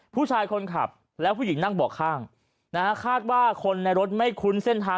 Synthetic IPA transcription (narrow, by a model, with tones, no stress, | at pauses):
pʰuː˥˩t͡ɕʰaː˧jkʰo˧nkʰa̰˨˩p̚ | lɛː˦˥wpʰuː˥˩ji˩˦ŋna˥˩ŋbɔː˨˩kʰːaː˥˩ŋ | na˦˥ka˦˥kʰaː˥˩t̪̚waː˥˩kʰo˧nːa˧jɾo˦˥t̪̚ma˥˩jkʰu˦˥nse˥˩nt̪ʰaː˧